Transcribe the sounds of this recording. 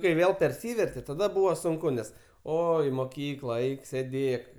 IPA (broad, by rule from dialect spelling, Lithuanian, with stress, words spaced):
kɐɪ ˈʋʲeːlˠ pʲɛrʲˈsʲiːʋʲɛrʲtʲɛ tɐˈdɐ ˈbuːʋoː sʊŋˈkʊ nʲɛs ˈoː ɪ moːˈkʲiːklˠɐ ˈɛɪk sʲeːˈdʲeːk